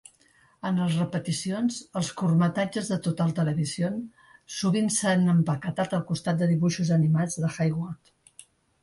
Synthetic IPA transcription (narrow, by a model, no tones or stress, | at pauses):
ənləzrəpət̪isionzəlˠskurmət̪ad͡ʒəzðət̪ot̪əlˠt̪ələβizion | suβinsanəmbəkət̪at̪əlˠkust̪at̪̚d̪əðiβuʃuzənimad͡zðəxajɣɔrt̪